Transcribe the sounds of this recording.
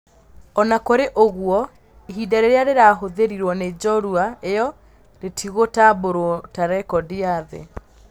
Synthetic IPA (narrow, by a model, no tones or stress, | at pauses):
ɔnakoɾeʔoɣwɔ | iɦidaɾeɾeaɾeɾaɦoðeɾiɾwɔned͡ʑɔɾuaejɔ | ɾetʰiɣotaboɾotaɾɛkɔdiaðḛ